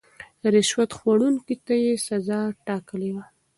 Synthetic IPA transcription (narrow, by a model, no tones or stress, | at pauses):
ɾɪʃwat̪xwaɽunkit̪ajesazɑʈɑkəlewa